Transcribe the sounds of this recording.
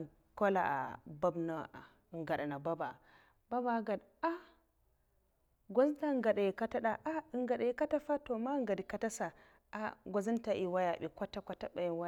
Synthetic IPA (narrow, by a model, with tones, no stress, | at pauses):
ko˦la̰˨a̰˨ba˦bna˦a˨ | ŋɡa˨ɗa˨na˨ba˦ba˨ | ba˦ba˨˦ɡa˨d | a˦ | ɡʷo˦zta˦ŋɡa˨ɗa˨ji˨ka˦ta˦ɗa˨ʔa˦i˨ŋɡa˨ɗa˨ji˨ka˦ta˦fa˦to˨ma˦ŋ˦ɡa˨di˨ka˨ta˦sa˨ | a˦ɡʷo˨zi˦nta˨ʔi˨wa˦ja˨ɓḭ˨kʷa˦ta˦kʷa˦ta˦ɓa˨ji˨wa˦˨